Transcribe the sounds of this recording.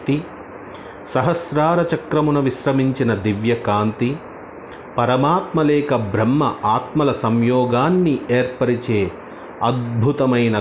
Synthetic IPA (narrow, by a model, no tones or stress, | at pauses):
t̪i | sɐɦɐsɾaːɾɐt͡ʃɐkɾɐmunɐʋiʃɾɐmiɲt͡ʃinɐd̪iʋjɐkaːnt̪i | pɐɾɐmaːt̪mɐlɛːkɐbʱɾɐmːɐʔaːt̪mɐlɐsɐmjɔːɡaːnːieːɾpɐɾit͡ʃeː | ɐd̪̚bʱut̪ɐmɐjnɐ